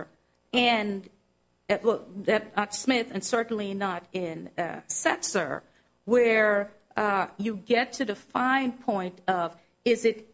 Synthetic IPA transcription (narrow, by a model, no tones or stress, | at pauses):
ɨ̃n | wˠðɨt̚nətsmɪθɨ̃nsɜ˞ʔn̩linəɾɪ̃nsɛksə̰˞ | wə˞ | jɨɡɛtʰɨðɨfãɪ̃npʰɔ̃ɪ̃ntʌv | ɪzɨɾ